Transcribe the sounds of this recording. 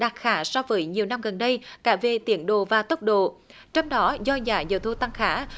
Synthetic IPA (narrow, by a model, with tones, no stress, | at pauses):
ɗaː˨˩t̚xaː˨˦sɔ˧wvəː˨˦jɲi˨˩əwna˧mɣə˨˩nɗə˧jkaː˧˩ve˨˩t̪i˨˦ənɗo̰˧˨vaː˨˩t̪ə˦˥wk͡p̚ɗo̰˧˨t͡ɕɔ˧wŋ͡mɗɔ˨˦zɔ˧zaː˨˩˦zə̰˨˩wt̪ʰu˧˩t̪a˧ŋxaː˧˦